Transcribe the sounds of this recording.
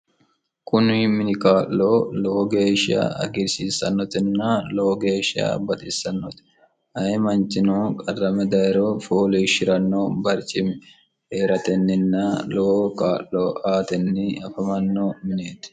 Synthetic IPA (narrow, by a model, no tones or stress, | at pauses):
kʼʊnimɪnɪkaːlːoːloɡe̞ːʃɪa̰ːɐ̰ɡɪɾsiːsɐnːɔt̪ɪnːaːloːɡe̞ːʃɪa̰ːbɐt̪ʼɪsːɐnːɔt̪ | hɐjɛmɐnt͡ʃɪnoːkʼɐrːɐmɛd̪ɐjɾoːfoːliːʃɪɾɐnːoːbɐɾt͡ʃʼɪmɪ | heːɾɐt̪ɛnːɪnːaːlokaːlloːʔaːt̪ɛnːɪɐfɐmɐnːoːmɪneːt̪ɪ̥